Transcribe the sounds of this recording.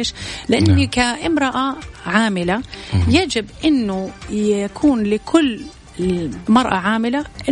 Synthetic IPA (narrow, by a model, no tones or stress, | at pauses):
ʃlɪʔanːkaʔɪmɾɑʔaʕaːmɪlajad͡ʒɪbʔɪnːʊjkʰuːnlɪkʰʊlː | mɑɾˤʔaʕaːmɪlaʔɪ